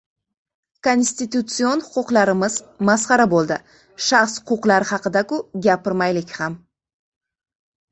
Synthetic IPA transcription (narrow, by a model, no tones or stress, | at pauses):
ko̞nsʲt̪ʲit̪ut̪sɨo̞nχʊquqlˠɑɾəməzmɑsqɑɾɑbo̞lˠd̪ə̰ | ʃɑχsʊ̥qʰuqlˠɑɾəχɑqəd̪ɑkuɡʲapɪɾmɑjlɪkʲχɑm